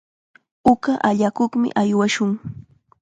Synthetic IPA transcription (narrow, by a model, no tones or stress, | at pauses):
ʊkaʔaʎakoχmɪ̰ʔajwaʃʊŋ